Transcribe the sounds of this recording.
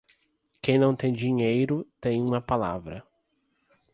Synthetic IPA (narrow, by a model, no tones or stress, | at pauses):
kẽj̃nɐ̃w̃t̪ẽj̃d͡ʒiɲejɾʊt̪ẽj̃ũmɐpala̰vɾɐ̰